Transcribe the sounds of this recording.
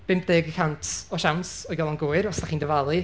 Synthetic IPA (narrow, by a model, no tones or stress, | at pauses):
b̥ɪmpdeːɡikʰantʰɔʃawnsɔjɡɔlˠɔnɡuːɨɾɔsd̥aχiːndəvalˠɨ